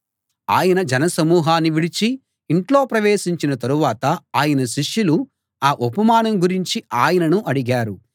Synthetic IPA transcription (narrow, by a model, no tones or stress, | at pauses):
a̰ːjɐnɐd͡ʒɛnɐsɐmuːɦaːnːiʋiɽit͡ʃiː | ɳʈlo̞ːpɾɐʋeːsiɲt͡ʃinɐt̪ɐɾuʋaːt̪ɐaːjɐnɐʃiʂjulu | aːʔopɐmaːnɐmɡuɾiɲt͡ʃiaːjɐnɐnuʔɐɽiɡaːɾu